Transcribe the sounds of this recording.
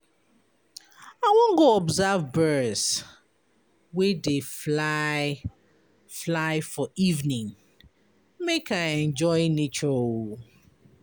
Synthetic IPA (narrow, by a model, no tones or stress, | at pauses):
aɪwɔ̃ŋɡoɔbzavbɜs | wedefla | flaɪfɔʔivnĩŋ | mekaɛ̃nd͡ʒɔjnet͡ʃɔ